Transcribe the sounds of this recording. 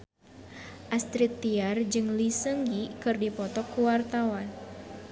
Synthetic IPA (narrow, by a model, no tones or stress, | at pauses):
ʔast̪ɾit̪ːiard͡ʒɨŋlisəŋɡikɨrdipɔt̪ɔkːuwart̪awan